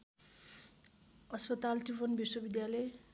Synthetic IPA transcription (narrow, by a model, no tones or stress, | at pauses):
ʌspʌt̪alʈibʌnbiswʌbid̪jale